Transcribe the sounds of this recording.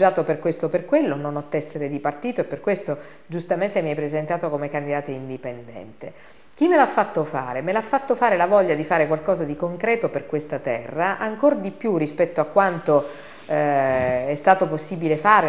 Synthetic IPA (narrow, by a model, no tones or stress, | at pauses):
aːt̪operkwest̪operkwelːononɔt̪ːɛsːeɾed̪ipart̪iːt̪oepːerkːwest̪o | d͡ʒust̪ament̪emiɛpːɾezent̪aːt̪okomekand̪id̪aːt̪oind̪ipend̪ɛ̰nt̪e | k̟imːelafːat̪ːofa̰ːɾemelafːat̪ːofaːɾelavɔʎːad̪ifaːɾekwalkɔːzad̪ikoŋkɾɛːt̪operkwest̪at̪ɛ̰rːaʔaŋkord̪ipjurispɛt̪ːoakːwant̪o | ɛst̪aːt̪oposːibilefaːɾe